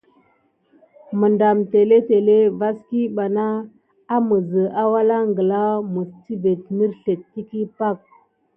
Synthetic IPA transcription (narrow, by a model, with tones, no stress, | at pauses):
mə˨nda˨mte˨le˦te˨le˦va˦ski˦ɓa˨naː˦ | mə˨zə˨ʔa˦wa˦la˦ŋɡə˨la˦mə˨ɾti˦ve˨t̚nə˦ɾɬe˨tːi˦ki˦pa˦˨k̚